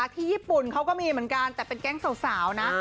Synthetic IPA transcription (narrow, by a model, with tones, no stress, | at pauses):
a˨˩t̪ʰiː˥˩jiː˥˩pu˨˩nkʰa˦˥wkɔː˥˩miː˧mɯ˩˦ənka˧nt̪ɛː˨˩pe˧nkɛ˥˩ŋsa˨˩wsaː˩˦wna˦˥